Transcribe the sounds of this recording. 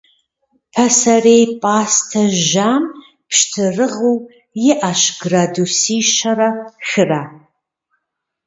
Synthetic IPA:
pʰɐsɐrejpʼaːstʰɐʒaːm | pʰʃtʰɨrɨʁuw | jɪʔaʃɡradusiːʃɐɾɐxɨraː

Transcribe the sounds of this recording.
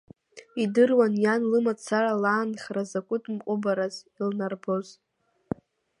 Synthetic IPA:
idɨrwanjanlɨmat͡sʰaralaːnχrazakʷʼʊtʼmqʷʼʊbaɾazilnarboz

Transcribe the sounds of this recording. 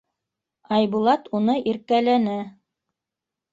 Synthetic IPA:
ɑjbulˠɑt̪unɤʔiɾkælænæ

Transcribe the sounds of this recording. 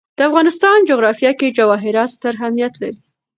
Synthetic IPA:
d̪̥əafɣɑnɪst̪ɑnd͡ʒʊɣɾɑfjɑked͡ʒawɑɦɪɾɑst̪əɾɦamijat̪la̰ɾi

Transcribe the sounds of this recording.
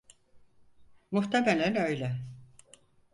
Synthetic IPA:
muht̪ʰemelʲænø̞jlʲɛ

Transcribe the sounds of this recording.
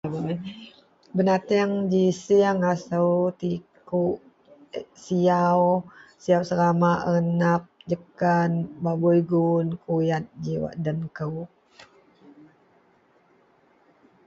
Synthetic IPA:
bənat̪iaŋd͡ʒisiaŋasəwt̪i | kuʔ | siawsiawsəɾamaʔəənap̚d͡ʒəkanbabujɡunkʰujat̪̚d͡ʒiwa̰ʔdənkəw

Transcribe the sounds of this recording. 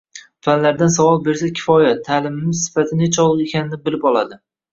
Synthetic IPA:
fanlaɾd̪ansavɒlˠbe̞ɾsakʲʰɪ̥fɒjat̪ʰːaːlɪmɪmɪzsɪ̥fat̪ʰɪnet͡ʃʰɒlˠɨqekʲʰanɪnɪbɪlɪpɒlˠad̪ɪ

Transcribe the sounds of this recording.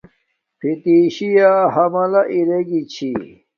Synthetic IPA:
pʰit̪iːɕijaɦɐmɐlɐʔiɾeɡit͡ɕʰi

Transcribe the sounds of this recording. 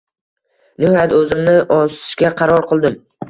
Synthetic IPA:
nɪhɒjat̪ɵzɪmnɪʔɒsʰɪ̥ʃkʲaqʰɑɾɒɾqɨlˠd̪ɪm

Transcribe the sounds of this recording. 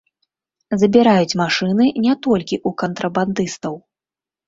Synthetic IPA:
zɐbʲiɾajut͡sʲmaʂɨnɨnʲɛt̪ɔlʲkʲiʔukɐnt̪ɾɐband̪ɨst̪ɐw

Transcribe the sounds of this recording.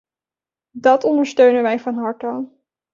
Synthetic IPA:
dɑtɔndəɹstøɥnəʋɛjvɑnɦɑɹtɔn

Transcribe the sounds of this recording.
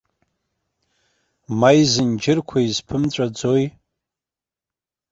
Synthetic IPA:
majzɨnd͡ʒɪrkʷʰaizpʰɨmt͡ɕʷʼad͡zoj

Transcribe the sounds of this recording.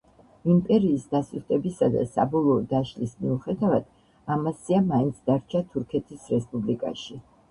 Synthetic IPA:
impʼɛɾiːsd̪asuɾt̪ʼɛbisad̪a̰sa̰bɔlˠɔːd̪aʃlismiuχɛd̪avad̪̥ | amasiamaint̪sʰd̪aɾt͡ʃʰat̪ʰuɾkʰɛt̪ʰisɾɛspʼublikʼa̰ʃi

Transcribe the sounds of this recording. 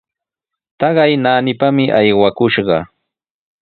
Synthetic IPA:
t̪ɑɢɑjnaːnɪpamɪʔajwakʊʃɢɑ

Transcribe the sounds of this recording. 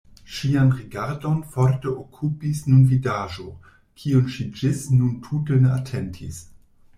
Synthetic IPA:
ʃianʁiɡaɾdo̞nfoɾteʔokʰupisnunvidaʒo | kʰiunʃid͡ʒisnuntʰuteneatʰentʰḭs

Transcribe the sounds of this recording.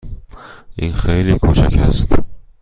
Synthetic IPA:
ɪnχejlikʰot͡ʃʰa̰kʲha̰st̪ɪ

